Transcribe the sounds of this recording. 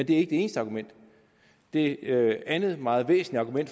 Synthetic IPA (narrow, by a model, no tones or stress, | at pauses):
end̥e̝æɐe̝ɡ̥əd̥ee̝ːn̩əsd̥əɑ̈ɡumen̰d̥ | d̥e̝ænð̞̩ˠmɑ̈ːð̩ˠʋḛːsn̩liɑ̈ɡ̥umen̰d̥